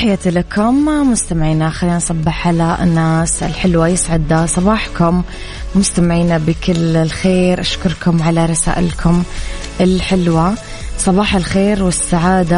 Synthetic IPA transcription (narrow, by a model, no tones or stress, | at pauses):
ħɪjat̪lakʊmmʊst̪amɪʕiːnaxaliːnʔɑsˤɑbːɪħʕalaɪ̰nːaːsɪ̰lħɪlwajɪsʕɪd̪asˤɑbɑːħkʊmː | ʊst̪amɪʕiːnabɪkɪlɪlxeːɾʔaʃkʊɾˤkʊmʕalaɾˤɑsa̰ːʔɪ̰lkʰʊm | ʔɪlħɪlwa | sˤɑbɑːħalxeːɾwɪsːaʕaːd̪a